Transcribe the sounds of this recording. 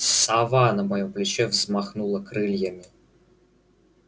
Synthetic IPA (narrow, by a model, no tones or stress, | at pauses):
savanəmajɔmplʲɪt͡ɕɛvzmaxnulˠəkɾɨlʲjəmʲɪ